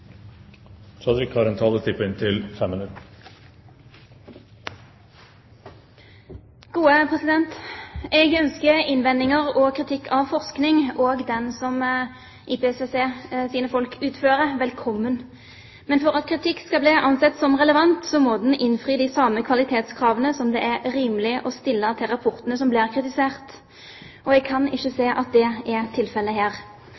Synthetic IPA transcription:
t͡ʃɑdɪkʰɑːɾɛnt̪ʰɑːlət̪ʰɪpːəɪnt̪ʰɪlfɛmːənʉt̪ | ɡ̥uːəpʰʁɛsɪd̪ɛnt̪ɛɡœnskəɪnʋɛnːɪŋəʁoːkʰʁɪt̪ʰɪkːʰɑʋfɔʁsknɪŋoːɡd̪ɛnsɔm | ʔiːpeːɛsʋeseːsiːnəfɔlkʰʉːt̪føːɾəʋɛlkʰɔmːən | mɛnfɔɾɑt̪kʰʁɪt̪ʰɪkːskɑbliːʔɑnsɛt̪ːsɔmʁɛləʋɑnt̪sɔmɔd̪ɛnʔɪnfʁiːd̪ɪsɑːməkʰʋɑlɪt̪ʰeːt̪skʰʁɑːʋənəsɔmd̪ɛʔæɾɾiːmlɪəʔɔst̪ɪlːət̪ʰɪlʁɑpʰɔʁt̪ənəsɔmblɪːʁkʰɾɪt̪ɪseːʁt̪ | ɔɛɡ̚kʰɑnɪçːəseːʔɑt̪̚d̪ɛɛt̪ʰɪlfɛlːəɦæːɾ

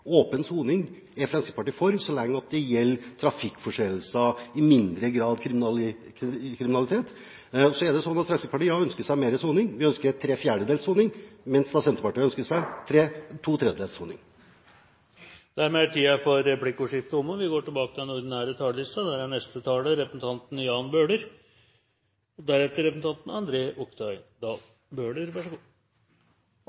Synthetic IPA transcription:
oːpənsuːnɪŋ | ɛfɾɛnsɪk̪pɑʈiːfɔɾmsɔlɛŋːəɑt̪̚d̪ɛjɛlːt̪ʰɾɑfɪkːfɔʂɛll̩sɑɪmɪnd̪ɾəɡɾɑːd̪kʰɾɪ | kʰɾɪmɪnɑlɪt̪ʰeːt̪ | sɔæɖ̪ɛsɔnːɑt̪fɾɛnsɪpʰɑʈiːɑœnskəʂæɪmeːɾəsuːnɪŋʋɪœnskəɾt̪ʰɾeːfjæːɖəd̪eːlsuːnɪŋmɛnsd̪ɑsɛnt̪əpɑʈiːœnskəʂæɪt̪ʰɾeːt̪ʰuːt̪ʰɾɛd̪əd̪eːlsuːnɪ̰ŋ | d̪̥æɾmeæʈʰiːɑfɔɾːɛpʰlɪkːʊʂɪft̪əʊmːəʋɪɡoːʈɪlbɑːkət̪ɪɛnʊɾd̪ɪnæːɾət̪ʰɑːləlɪst̪ɑd̪æɾæɳɛst̪ət̪ʰɑːləɾɛpəsn̩t̪ʰɑnt̪n̩jɑːnbøːɖəɾ | d̪æɾɛt̪ːəɾɛpsn̩t̪ʰɑnt̪n̩ɑnd̪ɾeːʔɔkt̪ʰɑʏd̪ɑː | bøːɖəɾʋɑʂɡu

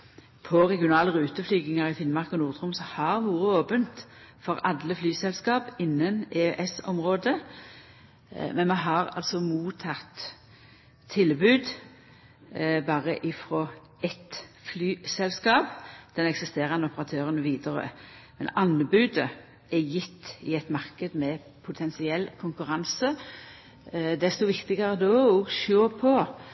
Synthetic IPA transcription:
pʰɔʁɛɡjɪʊnɑːləʁʉːt̪əflyːɡɪŋɑʁɪfɪnmɑʁkɔnuːʁt̪ʰʁʊmsɔhɑʁʋuːʁəoːpənt̪ | fɔʁɑd̪ləflyːsɛlskɑːpɪnːəneøʔɛsɔ̰mʁoːd̪ə | mɛnmɛɦɑʁɑ̰lsɔmuːt̪ʰɑt̪ | ɪlbʉːd̪ | bɑːʁəʔɪfʁoː | ɛt̪flyːsɛlskɑːpd̪̥ɛnɛksɪst̪eːʁənəʊpəɾɑt̪ʰøːʁənəʋiːd̪əʁə̰mɛ̰nɑnbʉːd̪ə | ɛjɪt̪ːɪɛt̪mɑʁkəd̪mɛ | pʰʊt̪ʰɛnsɪɛlːkʰʊŋkʉʁɑnsə | d̪ɛst̪ɔʋɪkt̪ɪɡəʁəd̪oɔɡʃoːpʰɔ

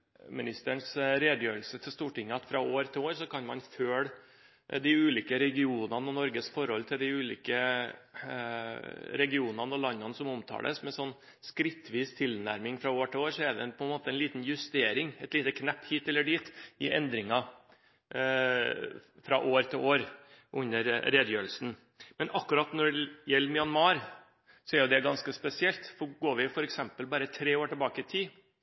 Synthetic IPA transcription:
mɪnɪst̪əɳsɾeːd̪əjøːɾəlsət̪ʰɪlst̪uːʈɪŋːəɑt̪fɾɑoːɾt̪ʰɪoːɾsɔkʰɑnmɑnføːɽ | d̪ɪʉːliːkəɾɛɡɪuːnɑnəɔnɔɾɡəsfɔɾhɔlt̪ʰɪld̪ɪʉːlḭːkə | ɾɛɡɪuːnɑnəɔlɑnːɑnəsɔmɔmt̪ʰɑ̰ːd̪ə̰smɛsɔnː | skɾɪt̪ːʋiːst̪ʰɪlnæ̰ɾmɪŋfɾɑoːɾʈʰɪloːɾsɔɛɖɛ̰npʰɔɛnmoːt̪əɛnliːt̪njʉst̪eːɾɪŋɛt̪liːt̪əkʰnæpːhiːt̪ɛlːəɖiːt̪ɪʔɛ̰nd̪ɾɪŋɑ | fɾɑ̰ʔoːɾt̪ʰɪloːɾ | ʔʉnːəɾɾeːd̪əjøːɾəlsn̩ | mɛnʔɑkːʉɾɑt̪nɔɖjɛlːəmɪɑnmɑːɾ | sɔæɾjʊd̪ɛɡɑnskəspɛsɪɛlt̪fɔɾɡoːɾʋɪfɔɾɛksɛmpəlbɑːɾət̪ʰɾeːoːʈɪlbɑːkəɪt̪ʰiː

